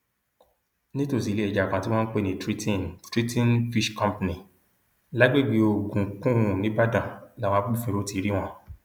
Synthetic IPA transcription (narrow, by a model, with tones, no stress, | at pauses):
nĩ˦to˦˨s̬i˨le˦ɛ˦˨d͡ʒa˨kã˨ti˦wɔ̃˦n̩˦k͡pe˦nĩ˨tɾi˦tĩ˦˨ntɾi˦tĩ˦nfi˦ʃkɔ̃˦mpnĩ˨ | la˦ɡ͡be˦˨ɡ͡bi˨˧o˧˨ɡũ˨kũ˦ũ˨nĩ˦ba˦dã˨la˦˨wɔ̃˧a˦k͡pu˦fĩ˧ɾo˦ti˧˦ɾi˦w̃ɔ̃˧